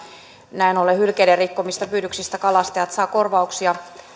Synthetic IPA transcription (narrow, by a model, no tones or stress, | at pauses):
næinolehylkederikːomist̪ɑpyːdyksist̪ækɑlɑst̪eɑt̪sɑːkorʋɑuksijɑ